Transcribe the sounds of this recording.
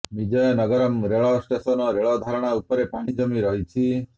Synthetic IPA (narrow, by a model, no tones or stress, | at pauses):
mid͡ʒɔjnəɡəɾɔmɾeɭɔsʈesɔnɔɾeɭɔd̪ʱaɾɔɽ̃aupɔɾepaɽ̃id͡ʒɔmiɾɔɦit͡ʃʰi